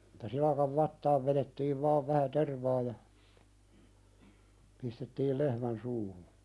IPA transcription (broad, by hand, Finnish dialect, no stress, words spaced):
etːæ silɑkɑʋ ʋɑtːɑːʋ ʋeɾetːiːʋ ʋɑːʋ ʋæhæ terʋɑː jɑ pistetːiːl lehmæn suːhu